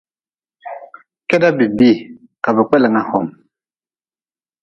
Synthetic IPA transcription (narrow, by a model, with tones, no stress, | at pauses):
kɛ˦da˦bi˨bi˦˨ | ka˨bə˨k͡pɛ˦lɛ˨ŋa˨hɔ˨m